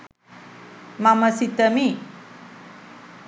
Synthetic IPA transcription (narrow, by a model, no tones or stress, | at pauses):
maməsit̪əmi